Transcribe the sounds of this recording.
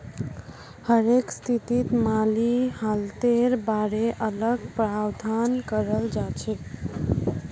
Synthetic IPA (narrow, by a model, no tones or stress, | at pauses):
həɾekst̪ʰit̪it̪malihalt̪eɾbaɾeʔələɡpɾawd̪ʱankəɾəld͡ʒat͡ʃʰe